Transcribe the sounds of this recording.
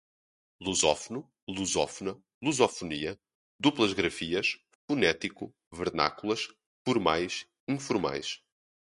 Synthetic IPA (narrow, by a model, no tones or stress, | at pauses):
lˠuzɔfunu | lˠuzɔfunɐ | lˠuzɔfuniɐ | d̪uplˠɐʒɣɾɐfiɐʃ | funɛt̪iku | vɨɾna̰kulˠɐʃ | fuɾmajʃ | ĩfuɾma̰jʃ